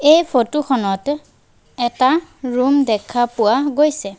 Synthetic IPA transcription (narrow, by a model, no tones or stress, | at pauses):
ejpʰotuxɔnɔt | ɛtaɹumdɛkʰapʊwaɡojsɛ